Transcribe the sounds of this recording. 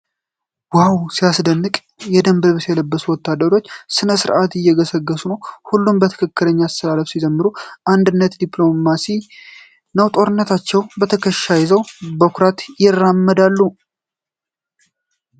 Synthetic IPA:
wawsiasd̪ənːɨkʼ | jɛd̪əmbɨlβsjɛləbːəsuwɔt̪ːad̪əɾo̞t͡ʃːsɨnəsɨɾʔat̪ɪjːɛɡəsəɡːəsunəwhulːumbət̪ʰɨ̥kʰɨkːɨləɲːast̪ʰəlaləfsid͡ʒəmːɨɾuʔand̪ɨnːət̪d̪iplo̞masi | nəwt̪ʼo̞ɾɨnːət̪ʰat͡ʃːɛwbət̪ʰəkʰəʃːajzəwbəkʰʊɾat̪jɪrːamːəd̪alːu

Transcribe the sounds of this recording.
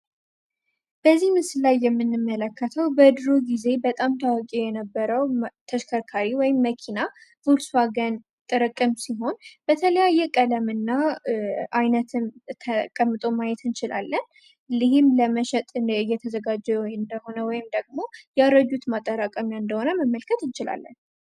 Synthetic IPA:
b̥əzːihmɨslajːɛmːɨnːɨmːələkʰːət̪ʰəwbəɨd̪ɾoɡize̞bət̪ʼamt̪ʰawakʼijɛnəbːəɾəwt̪ʰəʃkʰəɾkʰaɾiwɔjɪmːəkʰinavulsaɡən | t̪ʼɨɾɨkʼːɨmsiɦo̞nb̥ət̪ʰələjajːɛkʼələmɨnːa | ʔajnət̪ʰɨmt̪ʰəkʼəmːɨt̪ʼo̞majɛt̪ɨnt͡ʃɪla̰lːən | lɨhɪmləməʃɛt̪ʼɨjːɛt̪ʰəzəɡad͡ʒɛwɨnd̪əho̞nəwɔjɪmd̪əɡmo̞jaɾəd͡ʒut̪mat̪ʼːəɾakʼəmjaɨnd̪əho̞nəməmːəlkʰət̪ɨnt͡ʃɪla̰lːə̰n

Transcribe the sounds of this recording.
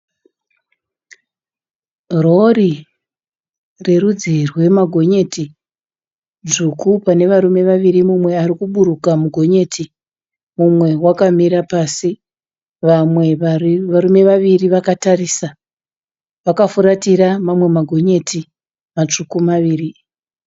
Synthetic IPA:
rori | re̞rud͡zirwe̞maɡʱo̞ɲe̞ti | ʐukupane̞ʋaɾume̞ʋaʋiɾimumwe̞aɾikuɓuɾukamuɡʱo̞ɲe̞ːtʰi | mumwe̞wakamiɾapaːsi | ʋamwe̞aɾume̞ʋaʋiriʋakatariːsa | ʋakafuɾatiɾamamwe̞maɡʱo̞ɲe̞tʰi | mat͡ʂukumaʋiːri

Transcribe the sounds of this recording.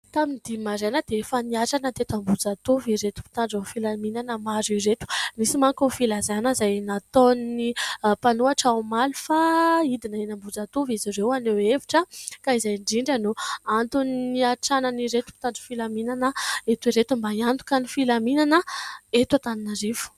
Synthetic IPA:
t̪aminid̪̥imaɾenəd̪efaniaʈ͡ʂanəd̪eet̪ambud͡zat̪uviɾet̪u̥pi̥t̪aɳɖ͡ʐanfilaminanəmaziɾet̪u̥nisimaŋkonfilazaanəzajnat̪onnipanuaʈ͡ʂaumalufaid̪inaenambud͡zat̪uvizirewaneweviʈ͡ʂəkaizajɳɖ͡ʐiɳɖ͡ʐanuant̪unniaʈ͡ʂanəniɾet̪u̥pi̥t̪aɳɖ͡ʐufilaminanəet̪iɾet̪umbaiant̪u̥kanifilaminanəet̪at̪aninaɾivu̥

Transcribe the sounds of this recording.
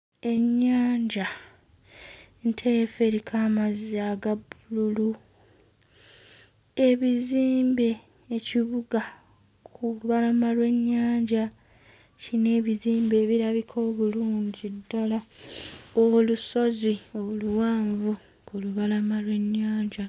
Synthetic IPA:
e̞ɲːaːɲɟa | ntʰefe̞ɾikʰamaziaɡabululu | e̞βiziːmbe̞ː | ciβuɡa | kʰuluβalamalwe̞ɲːaːɲɟa | cine̞ːβiziːmbe̞ːβiɾaβikʰo̞ːβuluːɲɟidːala | oluso̞zio̞luwaːɱvu | kuluβalamalwe̞ɲːaːɲɟa

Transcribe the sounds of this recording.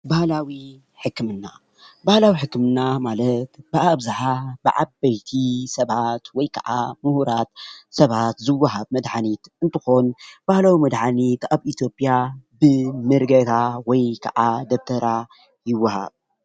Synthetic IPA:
bahlawi | ħɨkːɨmɨnːa | bahlawiħɨkːɨmɨnːamalɐt̪b̥ɨʔaβzaħabɨʕa̰bɐjt̪ʰisɐβat̪wɔjkʰɐʕamuhuɾat̪sɐβat̪zɨwːaɦaβmɐd̪ħanit̪ʔɨnt̪ʰɨxo̞nb̥ahlawimɐd̪ħanit̪aβʔit̪ʰjo̞pʼijabɨmɨɾɡɐt̪ʰawɔjkʰɐ̰ʕad̪ɐbt̪ʰɐɾa | jɪwːaha̰β

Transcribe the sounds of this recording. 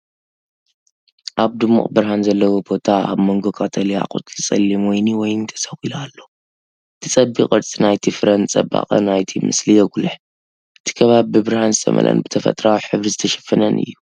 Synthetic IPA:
ʔaβd̪ɨmːṵχʼbɨɾhanzɐlːɐwobo̞t̪ʰaa̰βmoŋɡo̞kʰat̪ʰɐlija̰qʼṵt̪ʼlt͡sʼɐlːimwojniwɔjnt̪ʰɐ̥sɐxilalːo̞ | ʔɨt̪ʰit͡sʼɐbiχʼɨɾt͡sʼinajt̪ʰifɨɾɐnt͡sʼɐba̰χʼɐ̰najt̪ʰimɨ̰slijɛɡulɨħ | ʔɨt̪ʰi̥kʰɐβaβibɨbɨɾhanzɨt̪ʰɐ̰mɐ̰lʔɐ̰nbɨt̪ʰɐfɐ̰t̪ʼɾawħɨβɾizɨt̪ʰɐʃɐ̥fːɐnɐnʔɨ̰jːu

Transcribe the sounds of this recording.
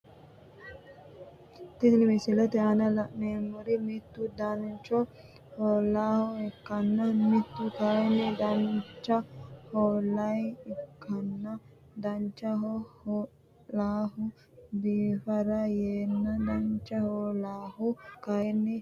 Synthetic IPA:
t̪ɪklɪmɪsɪlɔt̪ɛɐnɐlɐʔneːmːʊɾɪmɪt̪ːʊd̪ɐnt͡ʃɔ | hɔːlːaːhɔɛkːɐnːɐmɪt̪ːʊkɐɛnːɛd̪ɐnt͡ʃːɐhoːlːɐjɛkʰːɐnːɐ | d̪ɐnt͡ʃːɐɦɔhɔ | laːhʊ | biːfɐɾɐjeːnːɐd̪ɐnt͡ʃːɐhoːlaːhʊkɐnːɛ

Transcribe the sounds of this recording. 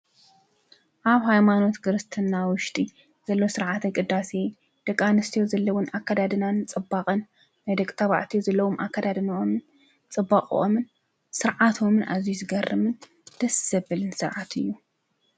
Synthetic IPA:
ʔaβhajmano̞t̪ɡɨɾɨst̪ʰɨnːawʊʃt̪ʼi | z̥ɐlːo̞sɨɾʕat̪ʰɐkʼɨd̪ːase | d̪̥ɐkʼːanɨst̪ʰijozɐlːɐwʊnakʰːad̪ad̪ɨnant͡sʼɨbːaqʼɐnː | ɐjd̪ɐkʼt̪ʰɐβa̰ʕt̪ʰijozɐlːɐwomʔa̰kːad̪ad̪ɨnomɨn | t͡sʼɨbːaχʼʔomɨn | sɨɾʕat̪ʰo̞mɨnʔa̰zjuzɨɡɐrːɨmɨn | d̪̥ɐsz̥ɐbɨlɨnsɨɾʕat̪ʰɨ̰jːu

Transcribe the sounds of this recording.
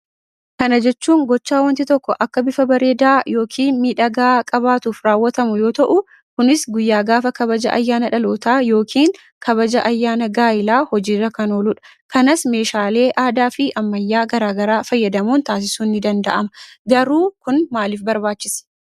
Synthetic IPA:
kɐnɐd͡ʒɛt͡ʃːuːŋɡɔt͡ʃːaːwɐnt̪ɪt̪ɔkːɔʔɐkːɐbɪfɐbɐɾe̞ːd̪aːjo̞ːkʰiːnmiːᶑɐɡaːkʼɐbaːt̪uːfɾaːwːɐt̪ɐmʊjo̞ːt̪ɐʔʊ | kʊnɪsɡʊjːaːɡaːfɐkɐbɐd͡ʒɐʔɐ̰jːaːnɐᶑɐloːt̪aːjo̞ːkʰiːŋ | kʰɐβɐd͡ʒɐʔɐjːaːnɐɡaːjɪlaːhɔd͡ʒiːrːɐkɐno̞ːlʊᶑɐ̥ | kɐnɐsme̞ːʃaːle̞ːʔaːd̪aːfɪʔɐmːɐjːaːɡɐɾaːɡɐɾaːfɐjːɐd̪ɐmuːnt̪aːs̬ɪsuːnːɪd̪ɐnd̪ɐʔɐmɐɡɐɾuːkʊnmaːliːfbɐɾbaːt͡ʃːɪs

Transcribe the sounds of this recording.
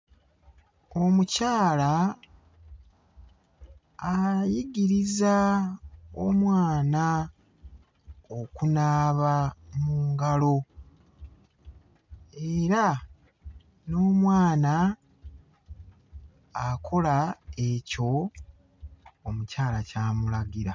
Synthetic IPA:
omucaːla | jiɟiɾiza | omwaːna | okunaːβamuːŋɡalo̞ | ee̞ɾa | no̞ːmwaːna | akʰo̞lae̞co̞ | mucaːlacaːmulaɡiɾa

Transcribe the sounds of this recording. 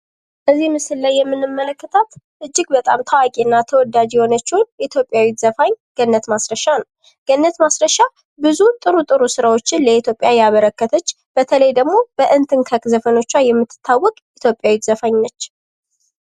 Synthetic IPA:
bəzːihmɨsɨlːajːɛmːɨnːɨmːələkːət̪ʰat̪ | ʔɨd͡ʒːɪɡ̚bət̪ʼamt̪ʰawakʼiɨnːat̪ʰəwɔd̪ad͡ʒjɛho̞nət͡ʃːɛwʊnit̪ʰjo̞pʼːjawit̪zəfaɲɡ̥ənːət̪masɾəʃanəw | ɡ̥ənːət̪masɾəʃa | bɨzut̪ʼɨɾut̪ʼɨɾusɨɾawo̞t͡ʃːɪnləit̪ʰjo̞pʼjajɛaβəɾəkːət̪ʰət͡ʃː | b̥ət̪ʰələjd̪əɡmo̞bəʔɨnt̪ʰɨŋkʰəkʼzəfəno̞t͡ʃːajɛmːɨt̪ʰːɨ̥t̪ʰːawːɔkʼit̪ʰjo̞pʼːjawit̪zəfaɲnət͡ʃː

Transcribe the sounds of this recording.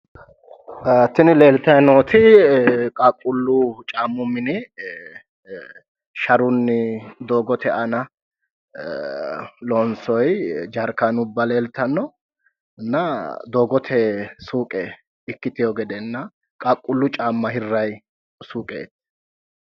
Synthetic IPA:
t̪ːɪnɪle̞ːlt̪ɐjnoːt̪ʰɪkʼakʼːʊlːʊt͡ʃʼaːmːʊmːɪnɪ | ʃɐɾʊnːɪd̪o̞ːɡɔt̪ʰɛʔɐnɐ | loːnsɔjd͡ʒɐɾkanʊbːɐle̞ːlt̪ɐnːɔ | nːɐd̪o̞ːɡɔt̪ʰɛsuːkʼɛ | ɪkːɪt̪ɪjoɡɛd̪ɛnːɐ | kʼakʼːʊlːʊt͡ʃʼaːmːɐɦɪrːɐj | suːkʼḛːt̪ː

